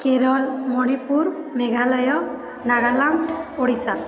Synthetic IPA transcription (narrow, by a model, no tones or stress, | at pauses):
keɾɔlmɔñipuɾmeɡʱalɔjɔ | naɡalaɳʈoɽisan